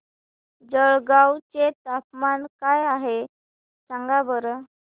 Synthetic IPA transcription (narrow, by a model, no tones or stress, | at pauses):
d͡zəɭɡawt͡set̪apmankajaɦe | saŋɡabəɾ